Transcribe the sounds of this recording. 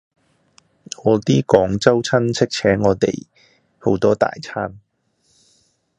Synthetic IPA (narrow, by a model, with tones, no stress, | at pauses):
ŋɔː˨˧t̪iː˥kɔː˨˥ŋt͡sɐ˥wt͡sʰɐ˥nt͡sʰɪ˥k̚t͡sʰɛː˨˥ŋːɔː˨˧t̪ḛ˨˩j | ho˨˥wt̪ɔː˥t̪a̰ː˨jt͡sʰaː˥n